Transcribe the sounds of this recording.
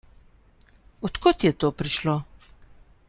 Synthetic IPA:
ɔt̪kot̪jɛt̪oːpɾiʃlo

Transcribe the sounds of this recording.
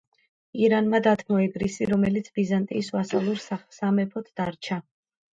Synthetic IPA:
iɾanmad̪at̪ʰmɔɛɡɾisiɾɔmɛlit̪sʰbizant̪ʼiːsvasalˠuɾssamɛpʰɔt̪ʰd̪̥aɾt͡ʃʰa

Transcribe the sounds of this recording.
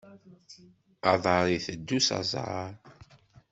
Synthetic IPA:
ɑðˤɑɾˤiθəd̪ːusɑ̰zˤʕɑ̰ɾ

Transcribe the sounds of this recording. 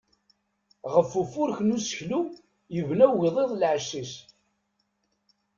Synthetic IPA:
ʁəfːufʊɾçnusə̥çlu | jəvnæwʝiðˤeðˤlʕəʃːis

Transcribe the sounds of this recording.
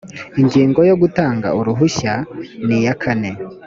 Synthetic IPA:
iɲɡiːŋɡojo̞ɡutaːŋɡa̰uɾuɦuçanijakʰane̞

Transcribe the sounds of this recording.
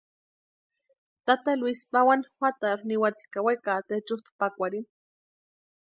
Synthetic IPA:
t̪at̪alwispawanxʷwʷat̪aɾniwat̪i̥kawajkat̪et͡ʃut̪pakʷaɾin

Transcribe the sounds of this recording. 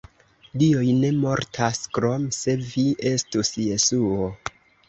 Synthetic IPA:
diojne̞mo̞ɾtʰaskɾo̞mse̞viʔe̞stusje̞suo

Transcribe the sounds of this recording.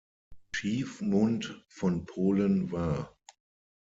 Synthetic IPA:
t͡ʃiːfmʊntfɔnpʰoːlənvaɐ

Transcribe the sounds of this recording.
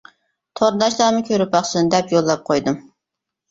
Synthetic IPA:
t̪ʰoɾnd̪ɑʃlˠɑːmɨkʲʰøɾyp̚bɑχsɨnɨd̪ɛpjolˠːɑp̚qʰojd̪ɨm

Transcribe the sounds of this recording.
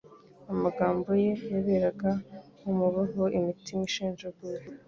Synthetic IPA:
amaɡaːmbo̞je̞jeβeɾaɡahumuβaɦoimitimiʃiːnʒeɡuɾ

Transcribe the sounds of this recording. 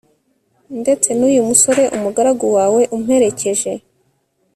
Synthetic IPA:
nde̞t͡se̞nuːjumuso̞ɾe̞ʔumuɡaɾaɡowaːwe̞ʔumuhe̞ɾe̞ce̞ʒe̞

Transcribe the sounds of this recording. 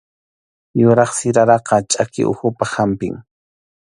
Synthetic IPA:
jʊɾɑχsɪɾaɾɑqɑt͡ʃʼakɪ̰ʔʊ̰xʊpahampɪ̰ŋ

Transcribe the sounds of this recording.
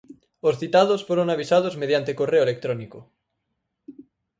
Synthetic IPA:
osθit̪að̞osfoɾoŋaβ̞isað̞ozmeð̞jant̪ekoreoelek̚t̪ɾoniko

